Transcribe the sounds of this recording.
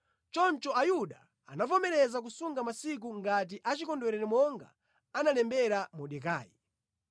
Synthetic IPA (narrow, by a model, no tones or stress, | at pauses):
t͡ʃɔnt͡ʃɔajuɗa | a̰napɔmɛɾɛzak̬usuŋɡamasik̬uŋɡat̬iʔat͡ʃikɔndwɛɾɛɾimɔŋɡa | analɛmbɛɾamɔɗɛka̰ːji